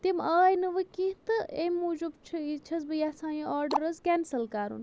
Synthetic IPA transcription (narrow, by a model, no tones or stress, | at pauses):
t̪imaːjnɨʋɨkĩt̪ɨemːuːd͡ʒubt͡ʃʰɨit͡ʃʰɐzbɨjasãːjiaːɾɖɐɾɐzkɛːnsɐlkaːɾṵn